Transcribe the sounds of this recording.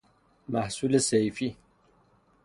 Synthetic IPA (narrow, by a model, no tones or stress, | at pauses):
maħsulɐsejfi